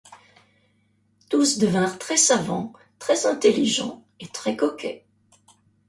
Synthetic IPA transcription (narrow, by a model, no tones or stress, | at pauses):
t̪usd̪əvɛ̃ʁt̪χɛsavɑ̃ | t̪χɛzɛ̃t̪eliʒɑ̰̃ | et̪χɛkɔkʲʰɛ̰